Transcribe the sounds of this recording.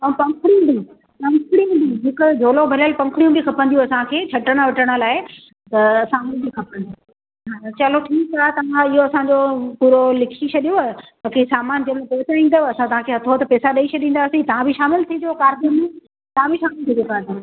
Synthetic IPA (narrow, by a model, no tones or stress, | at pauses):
ɐũpɐ̃ŋkʰɽijũd̪iũ | pɐ̃ŋkʰɽijũd̪iũɦɪkʊd͡ʒʱoːlobʱɐləlpɐ̃ŋkʰɽijũbɪkʰɐpə̃nd̪ijũɐsãkʰeːt͡ɕʰɐʈəɽ̃̆ʋɐʈəɽ̃ə̆laːɪ | t̪ɐsaːmɪlbikʰɐpə̃nd̪iũ | ɦaːt͡ɕɐloʈʰiːkaːt̪ɐʋãɪɦoɐsãd͡ʑopuːɾolɪkʰit͡ɕʰɐɗijoamɐkʰesaːmaːnd͡ʑemẽpɛːsaĩːnd̪aɐsãt̪ɐʋ̤ãkʰeɦɐt̪ʰot̪ɐpɛːsaɗɐiɕʰɐɗĩːn̆d̪aːsĩt̪ɐʋ̤ãbʱɪʃaːmɪlt̪ʰid̪ijokaːɾɡ̪imẽ | t̪ɐʋãbɪʃaːmɪlt̪ʰid̪jokaːt̪ã